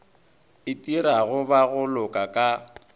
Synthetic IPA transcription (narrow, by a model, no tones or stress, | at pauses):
ɪtʼiɾaɣʊbaɣʊlʊkʼakʼa